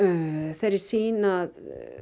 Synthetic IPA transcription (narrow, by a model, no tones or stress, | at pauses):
θaɾɪsiːnað